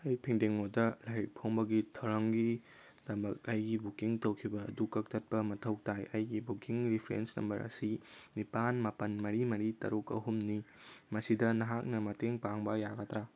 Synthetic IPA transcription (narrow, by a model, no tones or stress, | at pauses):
ɐjpʰiŋdeŋodɐlaɾik̚pʰoŋbɐɡitʰɐwɾɐŋɡi | d̥ɐmɐk̚ɐjɡibukiŋtowkʰibɐ̰ːdukɐk̚tʰɐt̚pɐmɐtʰɐwk̚tajɐjɡibukiŋɾipʰɾḛnsnɐ̰mbɐɾɐ̰sinipanmapɐnmɐɾimɐɾitɐ̰ɾukɐ̰ɦumnimɐsidɐnɐɦak̚nɐmɐteŋpaŋbɐjaɡɐtɾa